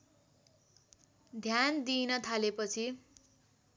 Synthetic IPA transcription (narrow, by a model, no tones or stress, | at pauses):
d̪ʱjand̪inʌt̪ʰalepʌt͡sʰi